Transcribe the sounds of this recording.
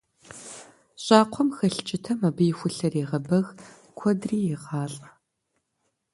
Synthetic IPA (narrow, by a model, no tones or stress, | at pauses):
ɕʼɑːqʷʰɔmxɐɬt͡ʃʼɪtʰɐmɐbɨjɪxʷʊɬɐriːʁɐbɐɣ | kʷʰɔdriːjɪʁɑːɬʼɐ